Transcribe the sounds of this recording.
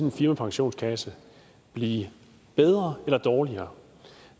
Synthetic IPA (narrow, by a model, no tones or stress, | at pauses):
nenfiɐmæpʰɑ̈ŋɕo̝̰ːnskʰæsə | b̥liː | b̥eð̞ˠʁɐelɐd̥ɒːliɐː